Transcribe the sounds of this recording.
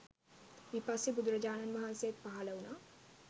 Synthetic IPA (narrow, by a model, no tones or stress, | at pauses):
mipasibud̪ɾɐd͡ʒaːnɐnmɐɦanseːt̪̚paɦalɐwna